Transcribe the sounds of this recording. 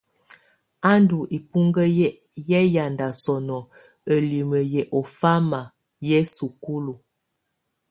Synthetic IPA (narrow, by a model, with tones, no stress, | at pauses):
a˦ndu˨ʔi˨pu˦ŋɡə˦ | jɛ˦ja˨nda˨sɔ˨nɔ˨ | ə˨li˨mə˨jɛ˨ʔo˨fa˦ma˨ | jɛ˦su˨ku˦lu˨